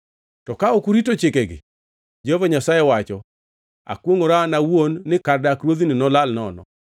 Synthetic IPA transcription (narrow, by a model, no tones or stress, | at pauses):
tɔkaɔkuɾitot͡ʃɪkeɡɪ̰ | d͡ʒehovaɲasajɛwat͡ʃɔ | a̰kwoŋoɾanawonːɪkardakɾwod̪inɪnɔlalnɔnɔ̰